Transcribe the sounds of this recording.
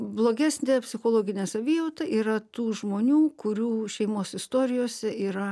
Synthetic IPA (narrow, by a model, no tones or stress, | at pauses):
blˠoːɡʲæsʲnʲeːpʲsʲɪxoːlˠoːɡʲɪnʲɛsɐbʲijoːt̪ɐʔiːɾɐt̪uːʒmoːnʲuːkʊɾʲuːʃʲɛɪmoːsɪst̪oːɾʲɪjoːsʲɛiːɾɐ